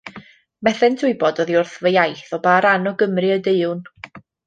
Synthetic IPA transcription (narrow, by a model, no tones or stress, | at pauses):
mɛθɛntʰʊɨbɔdɔðiʊrθvəjajθɔbaːɾanɔɡəmrɨədeɨwn